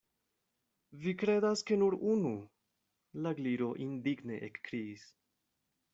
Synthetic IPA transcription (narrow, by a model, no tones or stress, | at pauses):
vikɾe̞d̪aske̞nuɾunu | laɡliɾo̞ʔind̪iɡne̞ʔekːɾiis